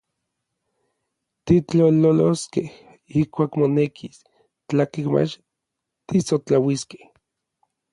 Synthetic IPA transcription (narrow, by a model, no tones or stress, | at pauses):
t̪it͡ɬololoskeh | ihkʷaːkmonekʰis | t͡ɬakehma̰t͡ʃ | t̪isot͡ɬawiske̥h